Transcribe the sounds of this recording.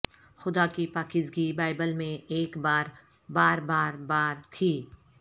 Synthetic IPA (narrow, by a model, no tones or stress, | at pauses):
xʊd̪akipaːkɪzɡibaːɪbəlmẽeːkbaːɾ | baːɾbaːɾbaːɾt̪ʰiː